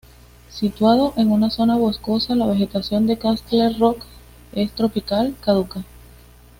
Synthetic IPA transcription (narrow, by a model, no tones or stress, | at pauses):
sit̪wað̞o̞ʔe̞ŋunaso̞naβo̞sko̞salaβe̞xe̞t̪asjo̞nd̪e̞kast̪leɾrok | e̞st̪ɾo̞pikalkaðuka